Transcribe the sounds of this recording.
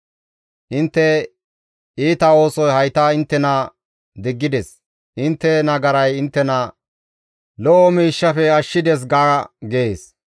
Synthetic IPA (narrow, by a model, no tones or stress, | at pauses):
ʔɪnt̪ːɛ | iːt̪ɐo̞ːsɔjhɐjt̪ɐɪnt̪ːɛnɐ | d̪ɪɡːɪd̪ɛs | ʔɪnt̪ːɛnɐɡɐɾɐjɪnt̪ːɛnɐ | lɔʔɔmiːʃːɐfɛɐʃːɪd̪ɛs̬ɡaːɡeeːs